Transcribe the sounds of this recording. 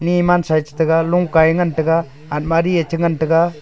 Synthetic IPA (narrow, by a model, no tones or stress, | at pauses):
niːmansajt͡ʃtɯɡaluŋkajŋantɯɡaː | t̚maɾiet͡ʃʰɯŋantɯɡa